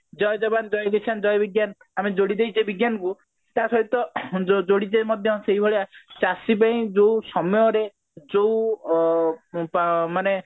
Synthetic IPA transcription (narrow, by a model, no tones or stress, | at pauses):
d͡ʒɔjɔd͡ʒɔband͡ʒɔjɡet͡ʃʰand͡ʒɔjɔbiɡjan | amed͡ʒoɽid̪ejd͡ʒebiɡjanɔku | t̪asɔɦit̪ɔd͡ʒod͡ʒoɽidemɔd̪ʱjɔseɦibʱɔɭeat͡ʃasip̬aĩd͡ʒosɔmɔjɔɾe | d͡ʒou | pmane